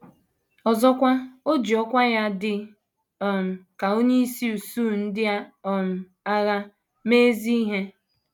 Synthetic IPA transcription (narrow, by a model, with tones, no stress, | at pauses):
ɔ˨zɔ˦kʷa˦o˦d͡ʒi˨ɔ˦kʷa˦ja˦dɪ˨ | ɔ˨m̩˨ka˨o˦ɲe˦i˦si˦u˨suː˦˨n̩˦dɪ˦a˦ɔ˨m̩˨ | a˦ɣa˦ | meː˦zi˦i˦ɦe˦